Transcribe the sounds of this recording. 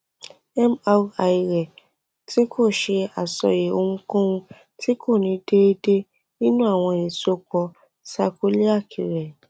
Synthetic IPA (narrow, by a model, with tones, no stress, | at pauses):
ɛ˦ma˧a˨i˨˧ɾɛ˨ | ti˦kʰo˦˨ʃe˧a˨sɔ̰˨je˨o˧ŋ̩̃˦kɔ̃˦wũ˧ | ti˦ko˦˨nĩ˨˦de˦de˦ | nĩ˦nũ˦a˦˨w̃ɔ̃˧i˨so˦k͡pɔ˧ | sa˧ko˦li˦a˦˨kʰi˨ɾɛ˨